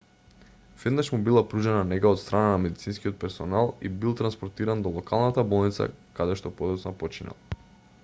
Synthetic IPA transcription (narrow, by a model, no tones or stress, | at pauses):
vɛd̪naʃmubilˠapɾuʒɛnanɛɡaot̪st̪ɾananamɛd̪it̪sinskiot̪̚pɛɾsɔnalˠḭbilˠt̪ɾanspɔɾt̪iɾand̪ɔlˠɔkalˠnat̪abɔlˠnit̪sa̰kad̪ɛʃt̪ɔpɔd̪ɔt̪snapɔt͡ʃina̰lˠ